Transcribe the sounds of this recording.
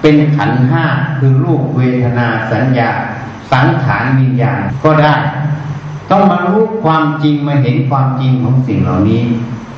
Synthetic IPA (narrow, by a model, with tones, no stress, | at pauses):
pe˧nkʰa̰˨˩˦nɦaː˥˩ɾɯː˨˦ɾuː˥˩k̚weː˧t̪ʰa˧naː˧sa˩˨˦njaː˧˩ | sa˩˦ŋt̪ʰaː˩˦nwi˧njaː˧nkɔː˥˩daː˥˩j | t̪ɔ˥˩ŋma˧ɾuː˦˥˩pkʰwaː˧mt͡ɕi˧ŋmaː˧ɦe˨˦nkʰwaː˧mt͡ɕi˧ŋkʰɔː˨˦ŋsi˨˩ŋlaː˨˩wniː˦˥